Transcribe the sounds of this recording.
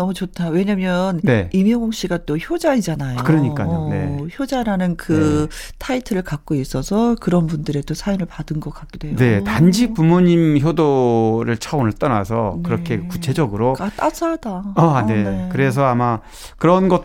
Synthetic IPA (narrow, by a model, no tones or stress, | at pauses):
nʌmut͡ɕotʰawe̞ɲamjʌnneimjʌŋoŋɕ͈iɡat͈oçjod͡ʑaid͡ʑanajokɯɾʌɲik͈aone̞̰çjod͡ʑaɾanɯnkɯtʰaitʰɯɾɯɭkak̚k͈ois͈ʌsʰʌkɯɾʌnbundɯɾe̞tosʰajomɯɭpadɯnɡʌk͈akk͈ed̥oɦene̞tand͡ʑipumoɲimçjodoɾɯɭt͡ɕʰaonɯɭt͈ʌna̰sʰʌkɯɾʌkʰe̞kut͡ɕʰe̞d͡ʑʌɡɯɾokat͈asadaane̞kɯɾe̞s̬ʰʌama | kɯɾʌnɡʌ